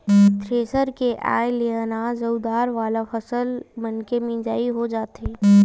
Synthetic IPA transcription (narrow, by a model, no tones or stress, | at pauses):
t̪ɾeːsəɾkeʔa̰ːjeleaːnaːzɐwd̪aːɾʋaːlafʰɐsəlmənkemĩd͡ʒaːiɦod͡ʒaːt̪eː